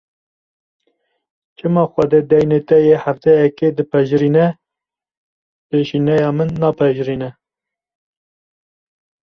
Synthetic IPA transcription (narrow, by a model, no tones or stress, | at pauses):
t͡ʃʰɨmɑːxʷɛd̪ed̪ɛjnet̪ɛjehæft̪ɛjɛked̪ɨpʰɛʒɾinɛ | peʃinɛjɑːmɨnːɑːpʰɛʒɾiːnɛ